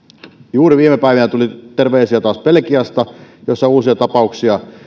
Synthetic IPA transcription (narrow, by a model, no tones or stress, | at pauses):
juːriʋiːmepæiʋinæt̪ulit̪erʋeːsiæt̪ɑːspelkiɑst̪ɑjosːɑuːsiɑt̪ɑpɑˑuksiɑ